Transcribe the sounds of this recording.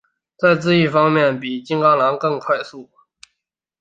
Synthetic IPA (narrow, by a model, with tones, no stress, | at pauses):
t͡sa˥˧ɪt͡sɹ̩˥˧i˥˩fɑ˥ŋmjɛ˥˩npi˨˩t͡ɕi˥ŋkɑ˥ŋla˧˥ŋkɤ˥˧ŋkʰwa˥˧ɪsu˥˩